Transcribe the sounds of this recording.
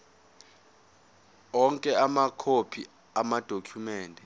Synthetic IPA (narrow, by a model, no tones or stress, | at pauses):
ɔŋkʼɛamakʰopʰi | amad̥ʱokʰjumɛːndʱɛ